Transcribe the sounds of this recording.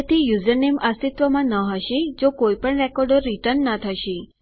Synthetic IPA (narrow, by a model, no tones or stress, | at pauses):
t̪ʰijuzəɾneməst̪it̪ʋəmãnəɦəʃed͡ʒokojpəɳɾɛkɔɾɖəɾːiʈəɾnːət̪ʰəʃe